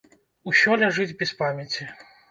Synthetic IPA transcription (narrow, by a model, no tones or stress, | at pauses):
usʲɔlʲaʐɨd͡zʲbʲɛspamʲat͡sʲi